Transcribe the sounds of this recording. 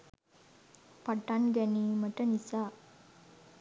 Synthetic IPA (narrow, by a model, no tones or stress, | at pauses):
paʈːanɡɛniməʈənisa